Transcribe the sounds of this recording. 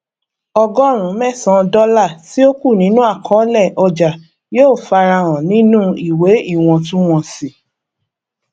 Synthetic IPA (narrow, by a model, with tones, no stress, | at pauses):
ɔ˧ɡɔ˦ɾ̃ũ˨˦mɛ̃˦˨sã˧˦˧dɔ˦la˦˨ti˨˦o˦ku˦˨nĩ˨˦nũ˦a˦˨kʰɔ̃˦lɛ˦˨ʔɔ˧d͡ʒa˨ | joː˦˨fa˧ɾa˧ɾ̃ɔ̃˨nĩ˦nũ˦i˨we˨˦i˦˨w̃ɔ̃˧tũ˦w̃ɔ̃˧si˨